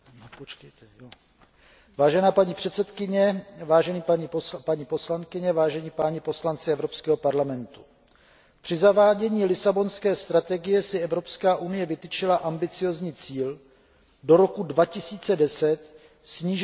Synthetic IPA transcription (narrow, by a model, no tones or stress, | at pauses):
nopot͡ʃkɛjt̪ʰɛjo | vaːʒɛnaːpaɲipr̝̥ɛt̪sɛt̪kɪɲɛvaːʒɛniːpaɲipopaɲiːpo̞slankɪɲɛvaːʒɛɲiːpaːɲipo̞slant͡sɪɛvɾopskɛːɦo̞paɾlamɛnt̪u̥ | pr̝̥ɪzavaːɟɛɲiːlɪsabo̞nskɛːst̪ɾat̪ɛɡɪjɛsɪɛvɾo̞pskaːʔunɪjɛvɪt̪ɪt͡ʃɪlaʔambɪt͡sɪjo̞zɲiːt͡siːl | do̞ɾo̞kudvacɪsiːt͡sɛdɛsɛt̪ | sɲiːʒ